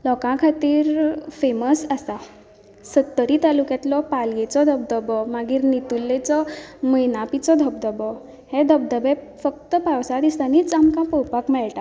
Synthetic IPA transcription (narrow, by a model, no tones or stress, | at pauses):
lɔkãkʰat̪iːɾfeməsasa | sət̪ːəɾit̪alukjat̪lɔpalɡet͡sɔd̪ʱəb̚d̪əbɔmaɡiːɾnit̪ulːet͡sɔməjnapit͡sɔd̪ʱəb̚d̪əbɔ | hed̪ʱəb̚d̪əbe | fək̚t̪əpawsad̪ist̪anit͡samkãpɔwpakmɛɭʈa